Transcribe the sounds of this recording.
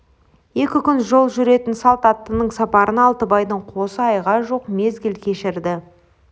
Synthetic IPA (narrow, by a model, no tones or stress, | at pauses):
je̞kʲɪkʲʏnʒo̞lˠʒʏɾe̞t̪ɪnsɑlˠt̪ɑt̪ːənəɴsɑpɑɾʔənɑlˠt̪əbɑjd̪əɴqʰo̞səɑjʁɑʒo̞qme̞zɡʲɪlkʲʰe̞ʃɪɾd̪ɪ